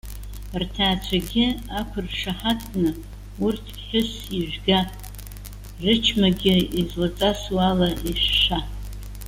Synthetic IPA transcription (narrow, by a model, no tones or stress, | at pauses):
rtʰaːt͡ʃʷʰaɡʲɪakʷʰʊrʂaħatʰʼkʼnɨ | urtʰɡʲħʊs | iʒʷᶣɡa | rɨt͡ʃʰmaɡʲɪizlat͡sʼaswalaiʂːa